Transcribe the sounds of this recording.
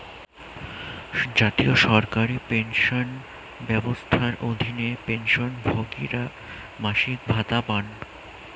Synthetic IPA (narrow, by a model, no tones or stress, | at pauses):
d͡ʑat̪ioʃɔɾkaɾipenʃon | bɛbost̪ʰaɾʔod̪ʱinepenʃonbʱoɡḭɾa | maʃik̚bʱat̪apan